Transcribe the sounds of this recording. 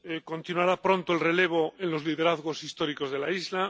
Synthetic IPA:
eko̞nt̪inwaɾapɾõ̞nt̪oelre̞leβ̞oẽnlo̞zlið̞e̞ɾaðɣo̞sist̪o̞ɾiko̞zðe̞laizla

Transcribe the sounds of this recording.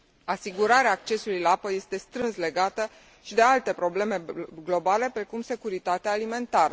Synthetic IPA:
asiɡuɾaɾeaːk̚t͡ʃe̞sulujlaapəje̞st̪e̞st̪ɾɨnsle̞ɡat̪ə | ʃid̪e̞alt̪e̞pɾo̞ble̞me̞ɡlo̞bale̞pɾe̞kumse̞kuɾit̪at̪eaːlime̞nt̪aɾə

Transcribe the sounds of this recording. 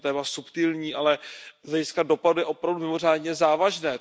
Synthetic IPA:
t̪ɛːmasupt̪ilɲiːʔalɛzlɛɟɪskado̞padujɛʔo̞pɾavdumɪmo̞r̝aːdɲɛzaːvaʒnɛː

